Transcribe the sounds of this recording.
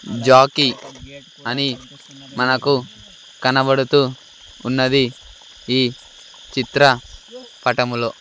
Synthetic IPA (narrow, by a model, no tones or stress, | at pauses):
d͡ʒaːki | ɐni | mɐnɐku | kɐnɐbɐɽut̪uː | nːɐd̪i | iː | t͡ʃit̪ɾɐpɐʈɐmuloː